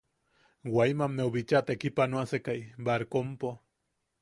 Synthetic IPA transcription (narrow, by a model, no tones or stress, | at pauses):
wajmamːeoβit͡ʃat̪ekipanoasekajbaɾkompo